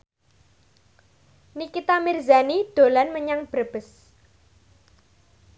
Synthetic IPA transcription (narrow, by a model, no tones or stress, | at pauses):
nikit̪amirzanid̪̥o̤lanməɲaŋb̥ɾəb̥əs